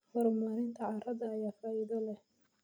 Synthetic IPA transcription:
hɔɾmaːɾɪnt̪ʰɐʕɑrɐdɐːjaːfaːɪðɔlɛh

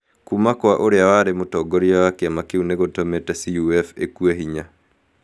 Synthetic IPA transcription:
kumakwaʔoɾeawaɾemotɔɡɔɾiawakeamakeuneɣotɔmetɛsiuɛfḛkueɦiɲa

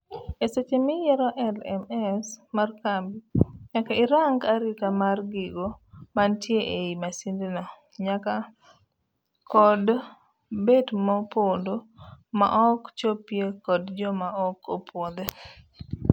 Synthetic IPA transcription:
eset͡ʃemɪjɛɾɔʔɛlɛ̰mɛsmarkambiɲakaɪɾaŋɡaɾikamarɡiɡomantjeʔeimasindinɔ | ɲaka | kɔd | bedmɔpondoma̰ʔɔkt͡ʃopjekɔdd͡ʒɔmaɔkopwɔd̪ɛ

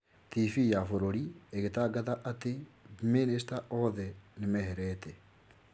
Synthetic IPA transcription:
tifijafoɾoɾieɣetaɡaðaʔateminis̬taʔɔðɛnemɛhɛɾɛtɛ

